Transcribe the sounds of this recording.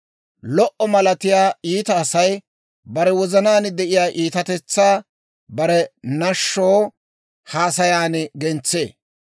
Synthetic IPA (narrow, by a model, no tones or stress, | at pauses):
lɔʔɔmɐlɐt̪ɪjaːiːt̪ɐːsɐj | bɐɾɛwɔzɐnaːnd̪ɛʔɪjaːʔiːt̪ɐt̪ɛt͡sːaː | bɐɾɛnɐʃːoː | haːsɐjaːnɡɛnt͡sːḛː